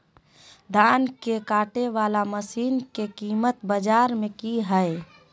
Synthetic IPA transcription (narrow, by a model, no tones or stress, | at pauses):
d̪aːnkekaːʈeʋaːlaməsiːnkekiːmət̪bəd͡ʒaːɾmẽkiɦəe